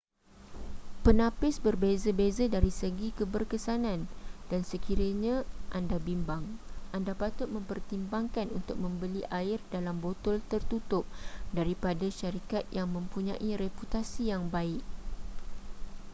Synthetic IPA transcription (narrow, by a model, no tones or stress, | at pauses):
pənãpɪsbərbezəbezadaɾisəɡikəbərkəsanãndansəkiɾəɲãʔandabimbaŋʔandapat̪ʊt̪̚mə̃mpərt̪imbaŋkanunt̪ʊk̚mə̃mbəliʔaɪrdalambot̪ɔlt̪ərt̪ut̪ʊp̚daɾipadaʃaɾikat̪̚jaŋmə̃mpuɲãʔiɾeput̪asijaŋbaɪʔ̚